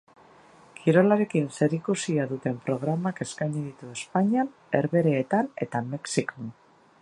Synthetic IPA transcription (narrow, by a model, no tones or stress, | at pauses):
kʰiɾo̞laɾe̞kinse̞ɾikusiaðut̪e̞mpɾo̞ɣ̞ɾamake̞skajɲiðit̪ue̞spaɲian | e̞ɾβe̞ɾeːt̪ane̞̰t̪ame̞ksikon